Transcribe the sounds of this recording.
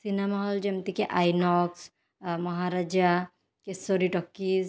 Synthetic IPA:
sinemaɦɔld͡ʒɐmt̪ikeʔajnɔks | mɐɦaɾad͡ʒa | kesoɾiʈɔkːiːz

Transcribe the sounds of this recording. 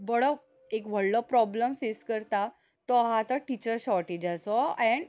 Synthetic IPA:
bəɽɔ | ekʋ̤ʱəɭlɔpɾɔbləmfeskəɾt̪a | t̪ɔɦat̪aʈit͡ɕəɾɕɔʈed͡ʑasɔɛ̃ɳ

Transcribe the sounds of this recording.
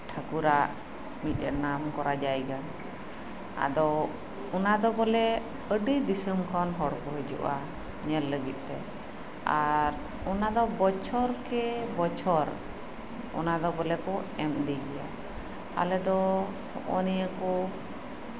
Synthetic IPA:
ʈʰakuɾaʔ | mit̪̚ˀənamkɔɾad͡ʒajɡa | a̰d̪ɔ | ɔnad̪ɔbɔlɛ | əɖid̪isəmkʰanɦɔɽkɔɦɛd͡ʒṵʔa | ɲɛlːəɡit̪̚ˀt̪ɛ | aɾ | ɔnad̪ɔbɔt͡ʃʰɔɾkɛbɔt͡ʃʰɔɾ | ɔ̰nad̪ɔbɔlɛkɔɛmd̪iɡɛja | a̰lɛd̪ɔ | hɔ̰ʔɔnijəkɔ

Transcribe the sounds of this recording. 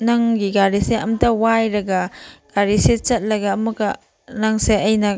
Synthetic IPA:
nɐŋɡiɡaɾiseɐ̰mtɐwajɾɐɡɐɡ̥aɾiset͡ʃɐt̚lɐɡɐːmɐɡɐ | nɐŋseʔɐjnɐ

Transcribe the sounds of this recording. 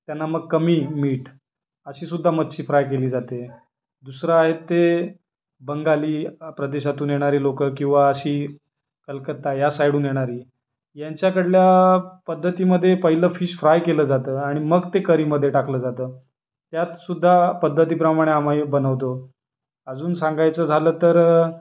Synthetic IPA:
t̪janːaməɡ̚kəmiːmiːʈ | əɕiːsud̪ʱːamət̪t͡ɕiːfɾajkeliːd͡zat̪e | d̪usɾəaɦet̪ːe | bəŋɡaliːpɾəd̪eɕat̪uːnjeɽ̃aɾiːlokəkĩw̃ʋaəɕiː | kəlkət̪ːajasajɽuːnjeɽ̃aɾiː | jaɲt͡ɕjakəɽljapəd̪ʱːət̪iːməd̪ʱːjepəɦiləfiːɕfɾajkeləːd͡zat̪əːaɽ̃iməɡt̪ekəɾiːməd̪ʱjeʈakləːd͡zat̪əː | t̪jat̪sud̪ʱːapəd̪ʱːət̪iːpɾəmaɽ̃eam̤aibənəʋt̪o | əd͡zuːnsãŋɡajt͡səːd͡zʱaləːt̪əɾ

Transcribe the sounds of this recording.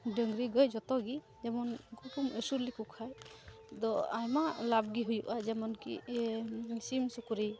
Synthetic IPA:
dəŋɡɾiɡɔjd͡ʒɔt̪ɔɡi | d͡ʒɛmɔnkukuməsuɾlikukʰaj | d̪ɔajmalab̚ɡiɦujuʔad͡ʒɛmɔnkḭ | simsukuɾi

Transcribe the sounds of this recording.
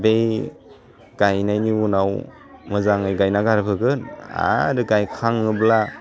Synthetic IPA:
bej | ɡ̥ajnajniwunaw | mɯzaŋɯjɡajnaɡaɾpʰɯɡɯna̰ɾɯɡajkʰaŋɯbla

